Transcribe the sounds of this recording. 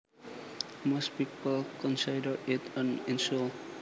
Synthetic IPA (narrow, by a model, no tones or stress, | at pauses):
mospipəlkɔ̃nsidəɹɪtʰə̃nɪ̃nsol